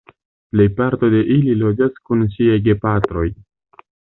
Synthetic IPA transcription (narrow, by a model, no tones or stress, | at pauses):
ple̞jpaɾto̞de̞ʔililo̞d͡ʒaskunʃiajɡe̞patɾo̞j